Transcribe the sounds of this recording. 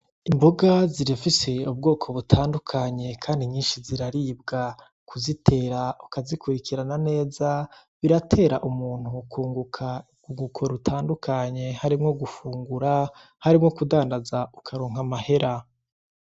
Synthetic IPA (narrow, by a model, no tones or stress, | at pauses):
imboɡaziɾifise̞ub̚ɡo̞ːkʰo̞βutʰaːndukʰaːɲe̞kʰaːndiɲiːnʃiziɾaɾib̚ɡa | kʰuzitʰe̞ːɾaukazikuɾikiɾanane̞ːzaβiɾatʰe̞ːɾaʔumuːn̥hukuːŋɡukʰa | ɡuŋɡukʰo̞ɾutʰaːndukʰaɲe̞haɾimŋo̞ɡufuːŋɡuɾa | haɾimŋo̞kudaːndazaukʰaɾoːŋ̥amahe̞ɾa